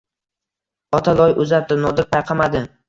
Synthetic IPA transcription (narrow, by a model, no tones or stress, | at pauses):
ɒt̪ʰalɒjʊzap̚d̪ɪnɒd̪ɪɾpʰajqʰɑmad̪ɪ